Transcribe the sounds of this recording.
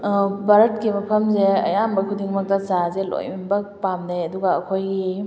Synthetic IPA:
baɾɐtkimɐpʰɐmzeɐjambɐkʰudiŋmɐk̚tɐzazelo̰jmbɐpamneɐduɡaɐ̰kʰojɡi

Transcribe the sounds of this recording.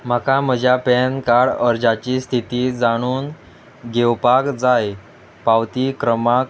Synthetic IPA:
m̤akam̤əd͡ʑʱjapɛnkaɽəɾd͡ʑat͡ɕiːst̪ʰit̪id͡zaɽ̃uːn | ɡewpakd͡zaj | pawt̪iːkɾəmak

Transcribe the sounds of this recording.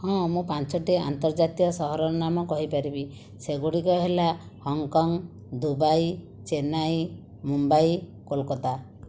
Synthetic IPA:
hɔ̃mũpant͡ʃɔʈia̰nt̪ɔɾd͡ʒat̪iɔsɔɦɔɾɔɾnamɔkɔɦipaɾibi | seɡuɽikɔɦela | hɔŋkɔŋ | d̪ubaj | t͡ʃenaj | mumbaj | kolkɔt̪a

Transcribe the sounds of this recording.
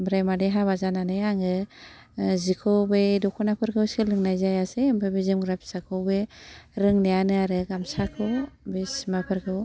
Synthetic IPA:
bɾajmadeɦaβazananɯjaŋɯ | zikʰɯwbejdɔkʰɔnapʰɯɾɡʰɯwsɯlɯŋnajzajasembebizimɡɾap̚sakʰɯwbeɾɯŋnijanɯaɾɯɡamsakʰɯwbismapʰɯɾɡʰɯw

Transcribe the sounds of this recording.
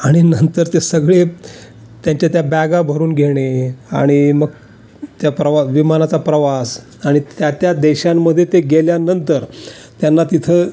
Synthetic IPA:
aɽ̃inənt̪əɾt̪esəɡɭe | t̪jaɲt͡ɕjat̪jabaɡabʱəɾuːnɡʱeɽ̃ea̰ɽ̃iməɡ | t̪japɾəʋaʋimanat͡sapɾəʋas | aɽ̃it̪jat̪jad̪eɕamːəd̪ʱːjet̪eɡeljanənt̪əɾ | t̪janːat̪it̪ʰəː

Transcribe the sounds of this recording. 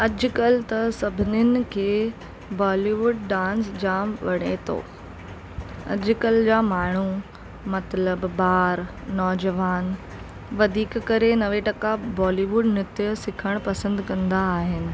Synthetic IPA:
ɐd͡ʑʊkɐlt̪ɐsɐbʱɪnɪnɪ̆kʰeː | bɔːliʋʊɖɖãːnsd͡ʑaːmʋɐɽ̤̃et̪ʰo̰ː | ɐ̰d͡ʑʊkɐld͡ʑaːmaːɳ̤u | mɐt̪ləbːaːɾ | nɔːd͡ʑəʋaːn | ʋɐd̪ʱiːkːɐɾenɐʋeʈɐkabɔːliːʋʊɖnɪt̪jəsɪkʰəɽ̃pɐsə̃nd̪kɐ̃nd̪aːɦɪnɪ̆

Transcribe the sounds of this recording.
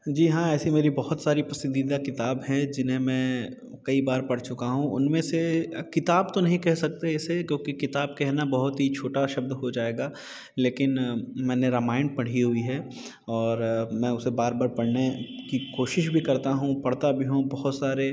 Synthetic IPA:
d͡ʒiːɦãːɛːsimeːɾibɐɦʊt̪saːɾipɐsnd̪id̪akɪt̪aːbɦɛ̃d͡ʒɪnɦẽmɛ̃ː | kɐibaːɾpɐɽ̤t͡ʃʊkaɦũʊ̰nmẽsekɪt̪aːbt̪onɐɦĩkɛɦsɐk̚t̪eɛsekjõːkikɪt̪aːb̚kɛɦnabɐɦʊt̪ɦit͡ʃʰoːʈaʃɐb̚d̪ɦod͡ʒaːeːɡaː | leːkɪnmɛ̃ːneɾɐmaːɪ̃ɳɖ̚pɐɽ̤iɦʊiɦɛ | ɔːɾmɛ̃ːʊsebaːɾbaːɾpɐɽnekikoːʃɪʃbʱikɐɾt̪aɦũpɐɽ̤t̪abʱiɦõbɐɦʊt̪saːɾe

